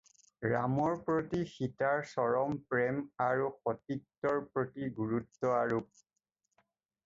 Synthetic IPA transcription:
ɹa̰mɔɹpɹotixitaɹsɔɹɔmpɹemaɹuxɔtiktːɔɹpɹotiɡuɹutːɔaɹup̚

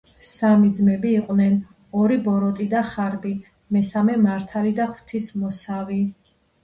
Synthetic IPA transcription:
samid̪zmɛbiːqʼwnɛn | ɔɾibɔɾɔt̪ʼid̪aχaɾbi | mɛsamɛmaɾt̪ʰalid̪aχwt̪ʰismɔsavi

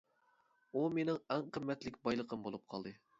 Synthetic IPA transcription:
umenɪŋɛŋqʰəmːɛt̪lɪkʲbɑjlˠəqʰəmbolˠup̚qʰɑlˠd̪ɨ

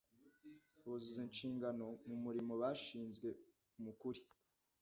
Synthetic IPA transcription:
βozuzint͡ʃiːŋɡano̞mumuɾimo̞βaːʃiːnzɡwe̞ | umukuɾi

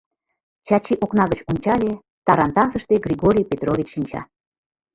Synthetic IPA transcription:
t͡ɕɑt͡ɕiʔoknɑɣət͡ɕunʲt͡ɕɑlʲe | t̪ɑɾɑnt̪ɑzəʃt̪eɡrʲiɣoɾʲijpet̪rovʲit͡ɕʃinʲt͡ɕɑ̰

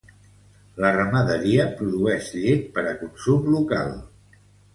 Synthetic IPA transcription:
lərəməðəɾiəpɾuðuɛʃʎet̪̚pəɾəkunsumluka̰lˠ

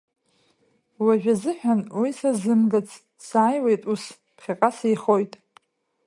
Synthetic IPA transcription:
waʒᶣazɨħᶣanwisazɨmɡat͡sʰʼ | saːjwejtʼus | pʰχʲiqʼasijχojtʼ

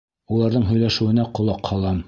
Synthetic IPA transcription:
ulˠɑɾðɤɴɦɵ̆jlæʃɘ̆wɘ̆næqŏlˠɑqhɑlˠɑm

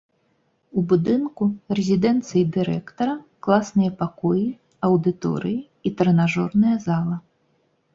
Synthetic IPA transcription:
ubud̪ɨnkurɛzʲid̪ɛnt̪sɨjid̪ɨɾɛkt̪ɐɾɐklˠasnɨjɐpakɔji | ɐwd̪ɨt̪ɔ̰ɾɨji | it̪ɾɛnaʐɔrnɐjɐzalˠɐ

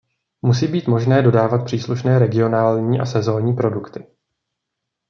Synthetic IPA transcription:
musiːbiːt̪mo̞ʒnɛːdo̞daːvat̪̚pr̥iːsluʃnɛːɾɛɡɪo̞naːlɲiːʔa̰sɛzo̞ːɲiːpɾo̞dukt̪ɪ

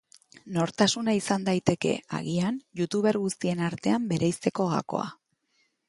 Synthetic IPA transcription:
no̞ɾt̪asunaisand̪ajt̪e̞ke̞̰a̰ɣianjut̪uβe̞ɾɣust̪ie̞naɾt̪e̞ambe̞ɾʔajst̪e̞ko̞ɣa̰ko̞̰a̰

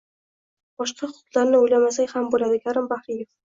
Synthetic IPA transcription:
b̥ɒʃqʰɑʊqʊ̥t̪lˠaɾnɪojlamasakʲhambolad̪ɪkʲʰaɾɪmbahɾijef

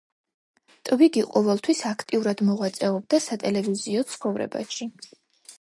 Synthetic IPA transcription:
t̪ʼviɡiqʼɔvɛlˠt̪ʰwisakʰt̪ʼiuɾad̪mɔʁwat̪sʼɛɔb̚d̪asat̪ʼɛlɛviziɔt̪sʰχɔvɾɛ̰ba̰ʃi

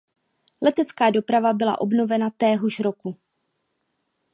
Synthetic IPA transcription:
lɛt̪ɛt͡skaːdo̞pɾavabɪla̰ʔo̞bno̞vɛnat̪ɛːɦo̞ʃɾo̞ku

